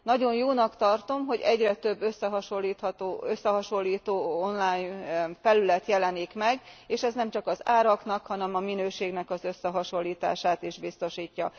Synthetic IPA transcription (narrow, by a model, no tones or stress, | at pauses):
nɒɟo̞njoːnɒkt̪ɒrt̪o̞mɦo̞ɟɛɟrɛt̪ø̞bːø̞sːɛɦɒʃolːiːt̪hɒt̪oːøsːɛɦɒʃo̞lːiːt̪oːo̞nlaːjɲfɛlylɛt̪jɛlɛnikmɛɡeːʃɛznɛmt͡ʃɒkɒzaːɾɒknɒkhɒnɛmɒminøːʃeːɡnɛkɒzø̞sːɛɦɒʃo̞lːiːt̪a̰ːʃaːt̪iʒbist̪o̞ʃiːcːɒ